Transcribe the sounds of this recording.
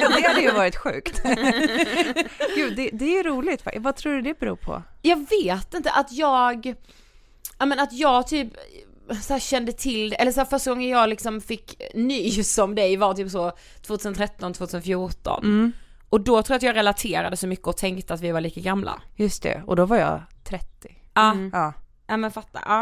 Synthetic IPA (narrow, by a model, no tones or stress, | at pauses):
jdd̪ɛhad̪ɛjvɑːɾɪt̪ɧʉ̰ːkt̪ | ɡ̥ʉːd̪ɛd̪ɛjɵɾuːlɪɡt̪fa̰vat̪ʰɾuːɖɵd̪ɛbɛɾṵːpʰɔ̰jɑːɡveːt̪ɪnt̪ə̰ʔat̪jɑːɡ | ʔaːmɛnat̪jɑːɡt̪ʰyːp | sɔhæːɾɕɛnd̪ət̪ʰɪld̪ɛʔɛlːəʂ̬hæːɾfœʂʈ̪aɡɔŋːəjɑːɡlɪksɔmfɪkːnyːsɔmd̪ɛjvaɾt̪ʰyːpsɔ | t̪ʰvoːt̪ʰʉːsənt̪ʰɾɛt̪ːɔnt̪ʰvoːt̪ʰʉːsənfjuːʈɔ̰n | ʔɔd̪ɔt̪ʰɾuːɾat̪jɑːɡɾɛlat̪ʰeːɾad̪əsɔmʏkːəɔt̪ʰɛŋkt̪əat̪vɪvaɾɭiːkaɡamlʔa̰jɵst̪ɛ̰ɔd̪ɔvaɾjɑ̰t̪ʰɾɛt̪ːɪɑːɑː | nɛmɛnfat̪ːa̰ʔɑː